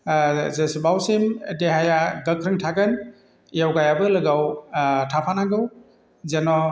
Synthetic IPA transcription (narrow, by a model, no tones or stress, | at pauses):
zesibawsimdeɦajaɡɐkʰɾɯŋtʰaɡɯn | jawɡajabɯlɯɡawtʰapʰanaɡɯw | zenɔ